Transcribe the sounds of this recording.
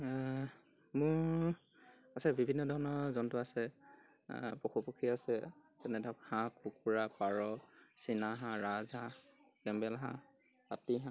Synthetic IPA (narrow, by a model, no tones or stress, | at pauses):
mʊɹ | asɛbʱibʱinːɔdʱɔɹɔnɔɹzɔntʊasɛ | poxupokʰiasɛtɛnɛdʱakhãkukuɹapaɹɔsinaɦãɹazã | kɛmbɛlɦã̰ | patiɦã